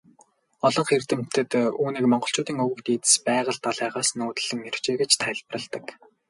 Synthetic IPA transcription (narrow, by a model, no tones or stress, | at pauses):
ɔɮɞ̆ŋχer̥t̪ɘ̆m̥t̪ɘ̆t̪uːniːkmɔɴɢɞ̆ɬt͡ɕʊːt̪iːŋɵɣɵ̆kt̪iːt̪ɘ̥̆spæːʁə̆ɮt̪ɔɮæːʁaːsnoːt̪̆ɮɘ̆ŋːer̥t͡ɕeːɡet͡ɕt̪ʰæɮprə̆ɮt̪ə̆k